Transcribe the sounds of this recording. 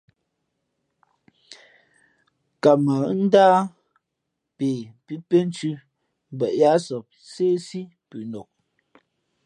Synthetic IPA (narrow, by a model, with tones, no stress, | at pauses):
ka˨mə˨˦n̩˦daː˦ | peː˨pi˦pe˦n̩˦t͡ʃʉ˦ | m˦bɛ˨ʔja˦sɔ˨p̚ | seː˦si˦ | pʉ˨nɔ˨k̚